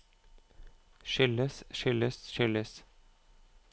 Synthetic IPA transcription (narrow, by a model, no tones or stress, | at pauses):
ʃʏləsʃʏləsʃʏləs